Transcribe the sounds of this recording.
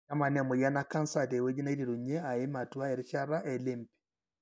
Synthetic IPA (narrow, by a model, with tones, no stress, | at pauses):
a˦ma˨nɛ˦˨mo˨ja˦naka˦nsa˨de˨we˦ɲi˦na˦i˦ɾi˨ɾu˨ɲɛ˦a˨e˦ma˨twa˦e˨ɾiʃaɾa˦ʔe˨lempi̥